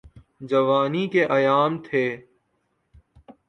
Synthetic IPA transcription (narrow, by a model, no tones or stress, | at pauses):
d͡ʒɐʋaːnikeʔɐjaːmt̪ʰeː